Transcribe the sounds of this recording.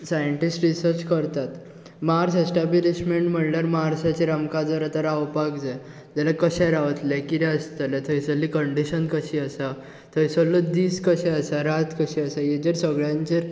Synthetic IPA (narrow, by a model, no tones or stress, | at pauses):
sajəɳʈisʈɾisəɾt͡ɕkəɾt̪at̪ | maaɾsesʈabiliɕmeɳʈm̤əɳləɾmaɦaɾsat͡ɕiɾamkad͡zəɾat̪əɾawpakd͡zaj | d͡ʑalakəɕɛɾaʋət̪lekiɾɛəst̪əlet̪ʰəjsəlːikəɳɖiɕənkəɕiːəsa | t̪ʰəjsəlːəd̪iːskəɕɛəsaɾat̪ʰkəɕiəsajed͡ʑeɾsəɡɭjãɲt͡ɕeɾ